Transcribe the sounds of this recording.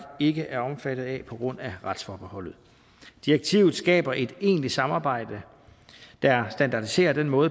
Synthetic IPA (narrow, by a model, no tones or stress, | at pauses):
e̝ɡ̥əʔæɐɒ̽mfæd̥ð̞̩ˠɛpʰɒ̽ɡ̥ʁɔ̽n̰æʁɑ̈d̥sfɒːb̥ehɒ̽l̰ð̞̩ˠ | d̥ieɡ̥̚t͡sʰiːʊð̞̩ˠsɡ̥ɛ̰ːb̥ɐʔe̝d̥e̝̰ːnli̥sɑ̈mɑ̈ːb̥ɑ̈ɪ̰d̥ə | d̥æsd̥ænd̥ɑ̈d̥ise̝̰ːɐd̥en̰mɔ̽ːð̩ˠ